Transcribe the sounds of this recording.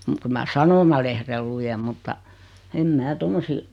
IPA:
muk kyl mæ sɑnomɑlehrel lujem mutːɑ em mæː tomːosiː

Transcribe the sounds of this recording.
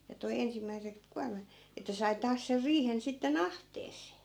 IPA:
jɑ toi ensimːæisek kuɑrmɑt etːæ sɑi tɑːs ser riːhen sitːen ɑhteːsˑeː

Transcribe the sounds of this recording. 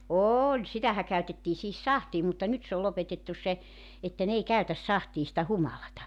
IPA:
oːlʲ sitæhæ kæytetːiː sihis sɑhtiː mutːɑ nyt se ol lopetetːus̆ se etːæ n ei kæytæs sɑhtiː sĭtæ humɑlɑtɑ

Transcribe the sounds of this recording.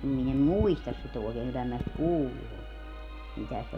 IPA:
min em muistɑs sit oˑekeːŋ kylːæ minæ sit kuːlːu on mitæ se

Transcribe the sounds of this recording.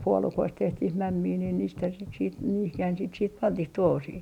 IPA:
puolukoist tehtih mæmːiː niːn niːthæn sit siːt niːhihæn sit siːt pɑntih tuohosiː

